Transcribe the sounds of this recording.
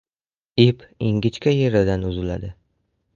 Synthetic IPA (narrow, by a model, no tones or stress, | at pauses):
ipiŋɡʲɪt͡ʃkʲajeɾad̪anʊzɪla̰d̪ɪ